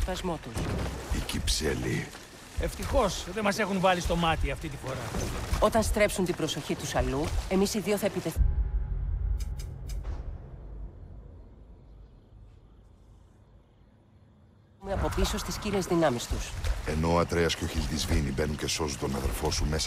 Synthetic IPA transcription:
t̪ɐzmo̞t̪usicipseli | eft̪ixo̞sðemɐsexunvɐlist̪o̞mɐt̪iɐft̪it̪ifo̞ɾɐo̞t̪ɐnst̪ɾe̞psunt̪ibɾo̞so̞çit̪usɐlue̞misiðioθɐepit̪e̞ | meɐpo̞piso̞st̪iscile̞zðinɐmist̪use̞no̞ɐt̪ɾe̞ɐsceoçilt̪izvinibe̞nunce̞so̞sunt̪o̞nɐðeɾfo̞sume̞s

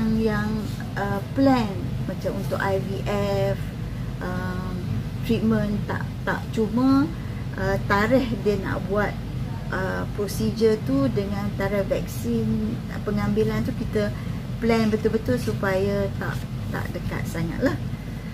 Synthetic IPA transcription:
ŋjaŋ | əplɛnmat͡ʃamunt̪ʊkajviʔɛf | ʔəm | t̪ɾit̪̚mə̃nt̪a̰ʔt̪a̰ʔt͡ʃumə | ʔət̪aɾɛhdiəna̰ʔbuat̪̚ | ʔə | pɾosid͡ʒət̪udəŋãnt̪aɾɛhvɛk̚sin | pəŋambilant̪ukit̪ə | plɛnbət̪ʊlbət̪ʊlsupajat̪a̰ʔ | t̪a̰ʔdəka̰t̪̚saŋa̰t̪̚lah

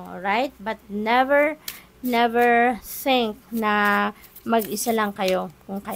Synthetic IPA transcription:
ɹajt̪̚bɐt̪̚nɛvɛɹ | nɛvɛɹθɪ̃ŋk̚nɐ | mɐɡɪsalɐŋkɐjo̞kʊŋkɐ

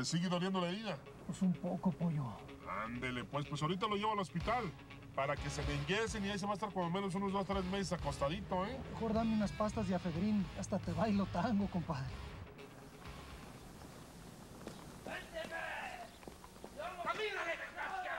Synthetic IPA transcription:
esiɣeðoɾnjend̪olaðiða | pesumpokopoʝo | a̰nd̪elepwe̞spwe̞saɾit̪̬alo̞ʝeβoalo̞spit̪al | paɾake̞seβeŋɡeseniais̬e̞βaest̪aɾkwand̪omeno̞s̬unozðos̬t̪ɾezme̞s̬esako̞st̪aðit̪o̞emexo̞ɾðameunaspast̪azðeafeðɾinast̪at̪eβajlot̪aŋɡo̞ko̞mpaðɾe

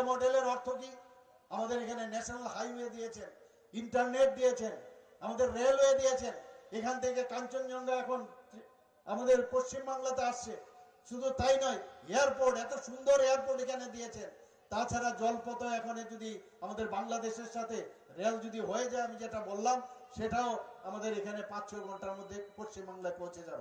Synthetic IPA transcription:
mɔɖeleɾɔɾt̪ʰok̬i | amad̪eɾekʰanenɛʃonalɦajɦoed̪ijet͡ɕʰen | iɳʈaɾneʈ̚d̪ijet͡ɕʰen | amad̪eɾːelɦoed̪ijet͡ɕʰenekʰant̪ʰekekaɲt͡ɕonːɔnd̪aɛkʰon | a̰mad̪eɾpoʃt͡ɕimbaŋlat̪eaʃt͡ɕʰe | ʃud̪ʱut̪ajnɔeeaɾpoɾʈɛt̪oʃund̪oɾejaɾpoɾʈekʰaned̪ijet͡ɕʰen | t̪at͡ɕʰaɾad͡ʑɔlpɔt̪oɛkʰoned͡ʑod̪i | amad̪eɾbaŋlad̪eʃeɾʃat̪ʰeɾeld͡ʑod̪ʱiɦoed͡ʑaeamid͡ʑeʈabolːamʃeʈaoamad̪eɾekʰanepãt͡ɕɕʰoɡʱɔɳʈaamad̪epoʃt͡ɕimbaŋlaepõwt͡ɕʰed͡ʑan

